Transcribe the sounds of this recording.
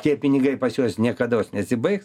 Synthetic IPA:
t̪ʲiɛpʲɪnʲɪɡɐɪpɐsjoːsnʲiɛkɐd̪oːsnʲɛɐt̪ʲsʲɪbɐɪks

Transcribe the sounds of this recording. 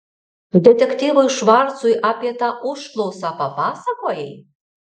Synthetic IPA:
d̪ʲɛt̪ʲɛkt̪ʲivʊjʃʋɑɾt̪sujʔapʲiɛt̪ɑʔʊʃt̪lˠowsɑpɐpɑːsɐkoːjɛj

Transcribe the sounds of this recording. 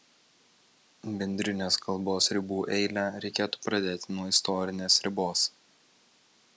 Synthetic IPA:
bʲɛnʲd̪ʲɾʲɪnʲeːskɐlˠboːsɾʲɪbuːʔɛɪlʲæːɾʲɛɪkʲeːt̪u̥ːpɾɐd̪ʲeːt̪ʲɪnɔɪst̪ɔɾʲɪnʲeːsɾʲɪboːs

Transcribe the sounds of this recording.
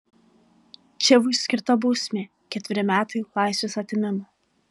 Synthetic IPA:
t͡ʃʲɛʋʊsʲkʲɪɾt̪ɐbuːsʲmʲeː | kʲɛt̪ʲʋʲɪɾʲɪmʲæːt̪ɐɪlˠɑˑɪsʋʲeːsɐt̪ʲɪmʲɪmɐ

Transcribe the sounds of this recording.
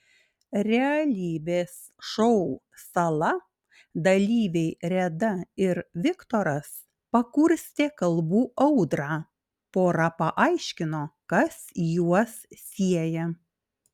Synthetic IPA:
ɾʲɛɐlʲiːbʲeːs | ʃɔʊ | sɐlˠɐ | d̪ɐlʲiːʋʲɛɪɾʲɛd̪ɐɪɾʋʲɪkt̪ɔɾɐs | pɐkʊɾʲsʲt̪ʲeːkɐlˠbuːʔɐʊd̪ɾɑː | poːɾɑpɐʔɐɪʃʲkʲɪnoːkɐsjuɔssʲiɛjɛ

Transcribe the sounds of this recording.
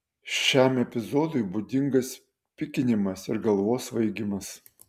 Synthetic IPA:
ʃʃʲæˑmɛpʲɪzoːd̪ʊɪbud̪ʲɪŋɡɐs | pʲɪkʲɪnʲɪmɐsɪɾɡɐlˠʋoːsʋɐɪɡʲɪmɐs

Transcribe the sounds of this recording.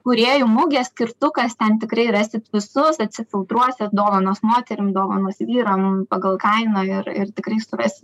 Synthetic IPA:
kʊɾʲeːjuːmʊɡʲɛssʲkʲɪrt̪ʊkɐst̪ʲɛnt̪ʲɪkɾɐɪrɑːsʲɪt̪ʋʲɪsʊsɐt̪ʲsʲɪfʲɪlˠt̪ɾuɔsʲɛsd̪oːʋɐnoːsmoːt̪ʲɛɾʲɪmd̪oːʋɐnoːsʋʲiːɾɐmpɑɡɐlˠkɐɪnɐɪrɪrt̪ʲɪkɾɐɪsʊrɐsʲɪt̪

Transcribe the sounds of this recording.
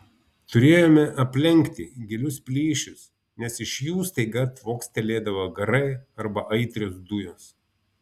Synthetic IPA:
t̪ʊɾʲeːjoːmʲɛʔɐpʲlʲɛŋʲkt̪ʲɪɡʲɪlʲʊspʲlʲiːʃʲʊs | nʲɛsɪʃjuːst̪ɐɪɡɐt̪ʋoːkst̪ʲɛlʲeːd̪ɐʋɐɡɐɾɐɪɐɾbɐʔɐɪt̪ʲɾʲoːsd̪ʊjoːs

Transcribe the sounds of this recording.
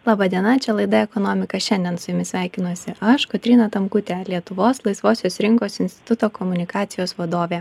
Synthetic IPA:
lˠɑːbɑːd̪ʲiɛnɐt͡ʃʲɛlˠɐɪd̪ɐɛkɔnoːmʲɪkɐʃʲɛnʲd̪ʲiɛnsʊjʊmʲɪsʲʋʲæˑɪkʲɪnuɔsʲɪɐʃkɔt̪ʲɾʲɪnɐt̪ɐmkʊt̪ʲeːlʲiɛt̪ʊʋoːslˠɐɪsʋoːsʲoːsɾʲɪŋkoːsɪnʲsʲt̪ʲɪt̪ʊt̪oːkɔmʊnʲɪkɑːt̪sʲɪjoːsʋɐd̪oːʋʲeː

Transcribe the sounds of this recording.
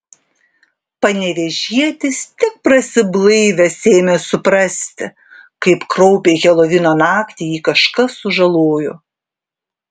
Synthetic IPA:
pɐnʲɛʋʲɛʒʲiɛt̪ʲɪst̪ʲɪk̚pɾɐsʲɪblˠɐɪʋʲɛsʲeːmʲeːsʊpɾɐsʲt̪ʲɪ | kɐɪpkɾɔʊpʲeɣʲɛlˠɔʋʲɪnoːnɑːkt̪ʲiːjiːkɐʃkɐsʊʒɐlˠoːjʊ̰

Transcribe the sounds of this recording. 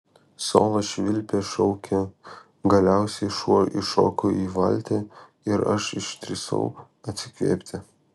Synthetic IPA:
so̰ːlˠɐʃʲʋʲɪlʲpʲeːʃɔʊkʲɛ | ɡɐlʲæʊsʲɛɪʃuɔɪʃo̰ːkʊiːʋɐ̰lʲt̪ʲe | ɪɾɐ̰ʃɪʃt̪ʲɾʲɪsɐ̰ʊ | ɐt̪ʲsʲɪkʋʲḛːpʲt̪ʲɪ

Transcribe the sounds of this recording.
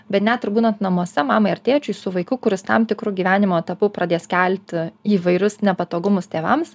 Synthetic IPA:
bʲɛt̪nʲæːt̪ɪrbuːnɐnt̪nɐmuɔsʲɛmɑːmɐɪɐɾʲt̪ʲeːt͡ʃʲʊɪsʊʋɐɪkʊkʊɾʲɪst̪ɑmt̪ʲɪkɾuːɡʲiːʋʲæːnʲɪmoːt̪ɐpʊpɾɐd̪ʲeːskʲælʲt̪ʲiːʋɐɪɾʲʊsnʲɛpɐt̪oːɡʊmʊst̪ʲeːʋɐms

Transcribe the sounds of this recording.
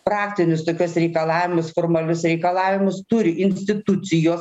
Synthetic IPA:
pɾɑːkt̪ʲɪnʲʊst̪oːkʲuɔsɾʲɛɪkɐlˠɑːʋʲɪmʊsfoːrmɐlʲʊsɾʲɛɪkɐlˠɑːʋʲɪmʊst̪ʊɾʲɪʔɪnʲsʲt̪ʲɪt̪ʊt̪sʲɪjoːs

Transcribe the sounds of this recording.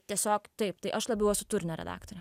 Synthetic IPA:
t̪ʲiɛsʲoːkt̪ɐɪp̚t̪ɐɪʔɐʃlˠɐbʲɪʊosʊt̪ʊɾʲɪnʲoːɾʲɛ̰d̪ɑ̰ːkt̪oɾʲɛ

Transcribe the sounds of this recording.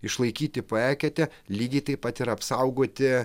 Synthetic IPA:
ɪʃlˠɐɪkʲiːt̪ʲɪpoæːkʲɛt̪ʲɛ | lʲiːɡʲɛɪt̪ɐɪpɐt̪ɪɾɐpsɐʊɡoːt̪ʲɪ

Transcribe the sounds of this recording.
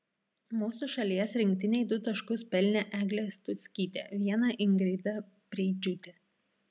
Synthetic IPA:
muːsuʃɐlʲiɛsɾʲɪŋʲk̚ʲt̪ʲɪnʲɛɪd̪ʊt̪ɐʃkʊspʲɛlʲnʲɛʔæːɡlʲest̪ʊt̪sʲkʲiːt̪ʲḛːʋʲiɛnɐʔɪŋɡɾʲɛɪd̪ɐ | pʲɾʲɛːd͡ʒʲʊt̪ʲe

